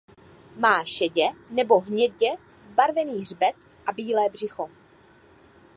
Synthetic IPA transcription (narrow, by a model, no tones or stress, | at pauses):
maːʃɛɟɛnɛbo̞ɦɲɛɟɛ | zbaɾvɛniːrbɛt̪̚ | ʔabiːlɛːbr̝̥ɪxo̞